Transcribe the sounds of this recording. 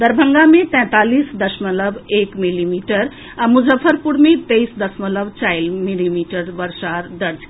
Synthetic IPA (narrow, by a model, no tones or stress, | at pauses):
d̪əɾbʱəŋɡamet̪ɛ̃t̪aːlisd̪əsmələbekmilimiʈəɾ | amud͡ʒəfʰəɾpuɽmet̪əisd̪əsmələbt͡ʃajlmilimiʈəɾʋəɾʃaɾd̪əɾd͡ʒ